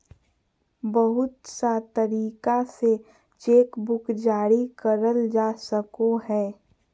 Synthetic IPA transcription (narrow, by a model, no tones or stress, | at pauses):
bəɦʊt̪sat̪əɾiːkase | t͡ʃeːkbʊkd͡ʒaːɽikəɾəld͡ʒaːsəkoɦɛː